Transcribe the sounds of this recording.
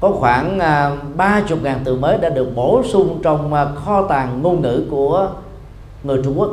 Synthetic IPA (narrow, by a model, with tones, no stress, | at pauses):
kɔ˨˦xwaː˧˩n˨ɓaː˧t͡ɕʊ˨˩k͡p̚ŋaː˨˩nt̪ɨ˨˩məː˨˦jɗa̰ː˧˥ɗɨ˨˩ək̚mo˧˩sʊ˧ŋ͡mt͡ɕɔ˧wŋ͡mxɔ˧t̪aː˨˩ŋŋo˧nŋɨ̰˧˥˨ku˧˩ə | ŋɨ˨˩əjt͡ɕʊ˧ŋ͡mku˦˥ək